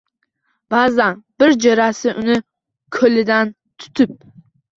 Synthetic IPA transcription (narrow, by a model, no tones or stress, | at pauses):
b̥azanbɪɾd͡ʒeɾasɪʔʊnɪ | kʰɵlɪd̪an | t̪ʰʊ̥t̪ʰɪp̚